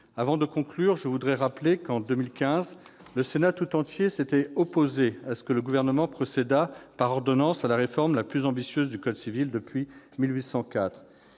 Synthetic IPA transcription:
avɑ̃d̪əkɔ̃klyʁʒəvud̪ʁɛʁaplekɑ̃d̪ømilkʲɛ̃z | ləsenat̪ut̪ɑ̃t̪jeset̪ɛɔpozeasə̥kələɡuvɛʁnəmɑ̃pχɔsed̪apaʁɔʁd̪ɔnɑ̃salaʁefɔʁmlaplyzɑ̃bisjøzd̪ykɔd̪sivild̪əpɥi | milɥisɑ̃kʲat̪χ

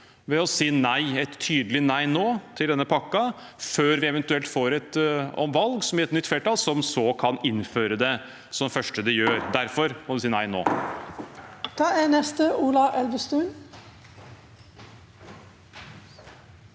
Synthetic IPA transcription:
ʋɛɔsiːnæɪɛt̪ʰːyːd̪əlɪnæɪnoːt̪ʰɪld̪ɛnːəpʰɑkːɑ | føːɾʋɪɛʋɛnt̪ʉɛlt̪foːɾɛt̪ɔ̰mʋɑlɡsɔmjæɾɛt̪nʏt̪flɛːʈʰɑːlsɔmsɔkʰɑnɪnːføːɾəd̪ɛ | sɔmfœʂʈəd̪ɛjøːɾd̪æɾfɔɾmɔlɪsiːnæɪno̰ː | t̪ʰɑːænɛst̪əʔuːlɑʔɛlʋəst̪ʉːn

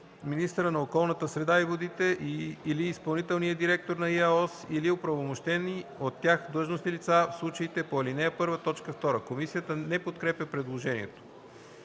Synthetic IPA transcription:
minist̪əɾənɐokɔlˠnət̪əsɾɛd̪aivod̪it̪ɛʔiiliːspɐlˠnit̪ɛlˠnijəd̪iɾɛk̚t̪oɾnɐiaɔsiliopɾɐvomoʃt̪ɛniot̪ːjaxd̪lˠɤʒnosnilit̪safslˠut͡ʃəit̪ɛpolinɛpɤɾvət̪ɔt͡ʃkəft̪ɔɾəkomisijət̪ənɛpot̪kɾɛpjəpɾɛd̪lˠoʒɛnḭɛ̰t̪o̥

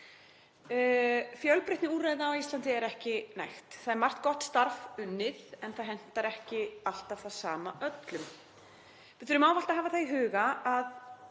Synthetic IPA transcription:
fjœlpɾɪht̪nɪuːrajðaawist̪ant̪ɪɛɾɛhcɪna̰jxt̪θaðɛɾmar̥t̪kɔht̪st̪aɾvʏnːɪðɛnθaðɦɛn̥t̪aɾɛhcɪal̥t̪av̥θaðsaːmaʔœt̪lʏm | vɪðθʏɾʏmaːwval̥t̪aɦaːvaθaðɦʏːɣaað

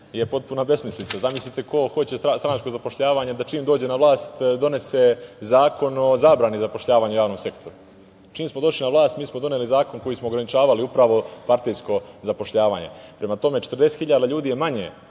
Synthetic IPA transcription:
je̞po̞t̪̚punabe̞smislit̪sazamislit̪e̞ko̞xo̞t͡ɕe̞sast̪ɾanat͡ʃko̞zapo̞ʃʎaːʋaːɲed̪at͡ʃiːmd̪o̞ːd͡ʑe̞naʋlˠaːst̪d̪o̞ne̞se̞zaːko̞no̞zaːbɾaːnizapo̞ʃʎaːʋaːɲujaːʋno̞mse̞kt̪ʰo̞ɾu | t͡ʃiːmsmo̞d̪o̞ʃlinaʋlˠaːst̪miːsmo̞d̪o̞nelizaːko̞nko̞jismo̞ːɡɾanit͡ʃaːʋaliupɾaʋo̞paɾt̪ijsko̞zapo̞ʃʎaːʋa̰ːɲe̞̰pɾe̞mat̪o̞me̞t͡ʃet̪rd̪e̞set̪hiʎaːd̪aʎuːd̪ije̞maɲḛ

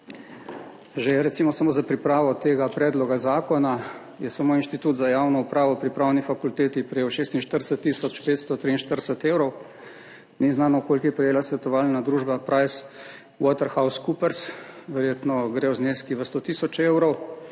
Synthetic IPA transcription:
ʒeɾɛt̪simɔsamoːzapɾipɾaːʋɔt̪eːɡapɾɛːd̪lɔɡazaːkɔna | jɛsamoːinʃt̪it̪uːt̪zajaːwnɔupɾaːʋɔpɾipɾaːwnifakult̪eːt̪ipɾɛjeːwʃeːst̪inʃt̪əɾd̪əsət̪ːisɔt͡ʃpeːt̪st̪ɔt̪ɾiːnʃt̪əɾd̪əsət̪eːwɾɔw | niznaːnɔɔkoːlkiɛpɾɛjeːlasʋɛt̪ɔʋaːlnad̪ɾuːʒbapɾajs | wɔt̪əɾxawskupəɾsʋɛɾjeːt̪nɔɡɾewzneskiʋəst̪ot̪isɔt͡ʃewɾɔw

